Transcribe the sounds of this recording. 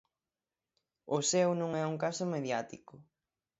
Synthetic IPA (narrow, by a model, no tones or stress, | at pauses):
ʊsewnũŋɛuŋkasʊmeðjat̪ikʊ